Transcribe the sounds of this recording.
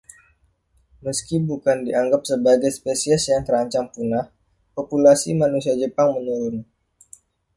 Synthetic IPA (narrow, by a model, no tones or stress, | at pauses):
məskibukandiʔaŋɡap̚səbaɡajspesiɛsjaŋt̪əɾaɲt͡ʃaŋpunah | populasimanusiad͡ʒəpaŋməɲuɾʊn